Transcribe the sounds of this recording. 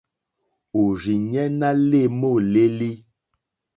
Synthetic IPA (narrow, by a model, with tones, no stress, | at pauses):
o˨ɾi˨ɲɛ˦na˦le˦˨mo˦˨le˦li˦